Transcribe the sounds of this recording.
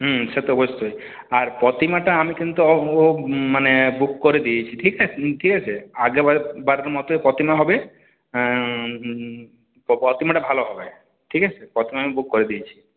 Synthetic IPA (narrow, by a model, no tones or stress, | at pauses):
ɦset̪ɔɔbɔst̪oj | aɾpɔt̪imaʈaːmikint̪uɔomanebukːɔɾed̪ijet͡ɕʰiʈʰikaeʈʰikat͡ʃʰeaɡebaɾeɾmɔt̪oepɔt̪imaɦɔbe | pɔpɔt̪imaʈabʱaloɦɔbe | ʈʰikat͡ʃʰepɾɔt̪imaamibukːɔɾid̪iet͡ʃʰi̥